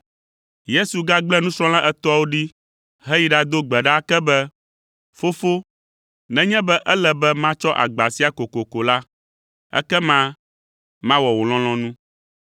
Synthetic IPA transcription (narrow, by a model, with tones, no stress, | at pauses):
je˦su˨ɡa˦ɡ͡blɛ˦nũ˦sɾ̃ɔ̃˦lã˦ʔɛ˦t̪ɔ˦wo˦ɖi˦ | ɦɛ˦ji˨ɖa˦d̪o˦ɡ͡bɛ˨ɖa˦kɛ˦bɛ˦ | fo˦fo˦ | nɛ̃˦ɲɛ̃˦bɛ˦ʔɛ˦lɛ˨bɛ˦mã˦t͡ʃɔ˦ʔa̰˨ɡ͡ba˨si˦a˦˨ko˨ko˨ko˨la˦ | ɛ̰˦kɛ˦mã˦ | mã˦wɔ˨wo˨l̃ɔ̃˦l̃ɔ̃˦nũ˦